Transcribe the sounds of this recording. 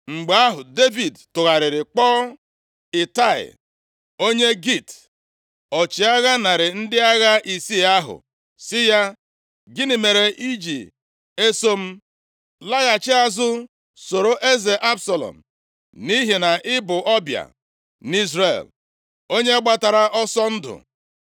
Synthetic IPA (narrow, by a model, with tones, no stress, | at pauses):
ŋ͡m̩˨ɡ͡ba˦ɦʊ˨de˦vi˨dtʊ˨ɣa˨ɾɪ˨ɾɪ˨k͡pɔː˦ | ɪ˨ta˦˨ɪ̰˨ | o˦ɲe˦ɡi˦˨t | ɔ˨t͡ʃi˨a˦ɣa˦na˨ɾɪ˨n̩˦dɪ˦a˦ɣa˦ʔi˨si˦a˦ɦʊ̰˨ | sɪ˦ja˦ | ɡɪ˦nɪ˨me˨ɾe˨ʔi˦d͡ʒi˨ | e˦so˦m̩˦ | la˦ɣa˨t͡ʃɪ˦a˨zʊ˦ | so˨ɾo˨ʔe˦ze˨ʔa˦bsa˨lɔ̰˨m̩˨ | ni˦ɦi˨na˨ʔɪ˦bʊ˨ʔɔ˦bja̰˨ | ni˦zɾḛ˨l | o˦ɲe˦a˦ɡ͡ba˦ta˨ɾa˨ʔɔ˦sɔ˦n̩˦dʊ̰˨